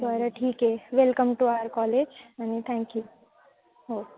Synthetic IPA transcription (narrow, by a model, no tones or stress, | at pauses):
t̪oaɾəʈʰiːkɦeʋelkəmʈuaəɾkɔled͡ʒanit̪ʰɛ̃ŋkju | ɦoː